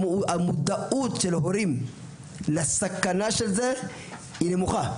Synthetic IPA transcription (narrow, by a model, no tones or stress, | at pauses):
amud̪aʔut̪ʃelhoɾim | lasakːanaʃelze | inemuxa